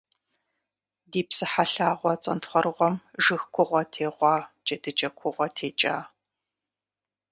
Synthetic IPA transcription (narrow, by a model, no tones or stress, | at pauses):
diːpsɨħaɬaːʁʷɔt͡sʼɐntχʷɔrɨʁʷɔmʒɨxkʷʰʊʁʷɔtʰeːʁʷɑːd͡ʒʼɐdɨt͡ʃʼɐkʷʰʊʁʷɔtʰeːt͡ʃʼaː